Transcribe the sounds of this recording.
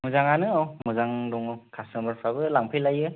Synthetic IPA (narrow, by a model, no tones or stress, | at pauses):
mɯzaŋanɯawmɯzaŋdɔŋɯwkʰasɯmbaɾpʰɾabɯlaŋpʰijlajɯ